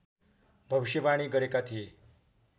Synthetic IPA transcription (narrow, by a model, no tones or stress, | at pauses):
bʱəʋiɕəʋaɽ̃iːɡəɾekat̪ʰi